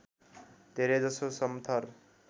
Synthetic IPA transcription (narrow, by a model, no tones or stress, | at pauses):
d̪ʱeɾed͡zʌsosʌmt̪ʰʌr